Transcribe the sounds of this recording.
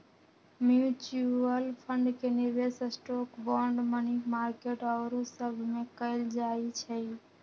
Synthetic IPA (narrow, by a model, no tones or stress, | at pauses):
mjut͡ʃuəlpʰəɳɖkenibesəsʈokbɔɳɖmənikmaɾkeʈəʊɾosəbʱmekəɪld͡ʒait͡ʃʰə